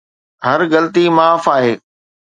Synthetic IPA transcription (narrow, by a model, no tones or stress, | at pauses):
ɦɐɾɣɐlət̪imaːfaːɦeː